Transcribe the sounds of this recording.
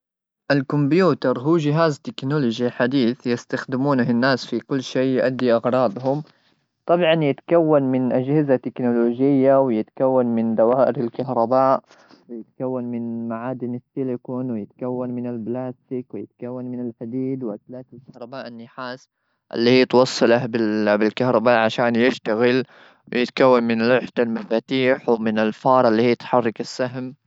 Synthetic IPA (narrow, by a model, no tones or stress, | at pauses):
ʔalkʊmbjuːt̪ɑɾˤɦuːd͡ʒɪɦaːzt̪ɪknʊlʊd͡ʒiħad̪iːθjɪst̪axd̪ɪmuːnhɪnːaːsfikʊlːʃeːjʊʔad̪ːiʔɑɣɾˤɑːd̪ˤɦʊm | t̪ˤɑbʕɑnjɪt̪kawːanmɪnʔad͡ʒhɪzat̪ɪknʊloːd͡ʒɪjːawjɪt̪kawːanmɪnd̪awaːʔɪɾalkahɾˤɑbaːʔ | wɪjɪt̪kawːanmɪnmaʕaːd̪ɪnɪsɪlɪkʊːnwɪjɪt̪kawːanmɪnɪlblaːst̪ɪkwɪjɪt̪kawːanmɪnɪlħad̪iːd̪wat̪laːt̪ɪlkahɾˤɑbaːʔɪnːɪħaːs | ʔɪ̰lːiːijɪt̪wɑsˤːɨlahbɪbɪlkahɾˤɑbaːʔʕaʃaːnjɪʃt̪aɣɪl | wɪjɪt̪kawːanmɪnlʊħd̪almafaːt̪iːħwmɪnɪlfɑːɾˤɑlːiːhiːjɪt̪ħɑrˤːɑkasːaɦm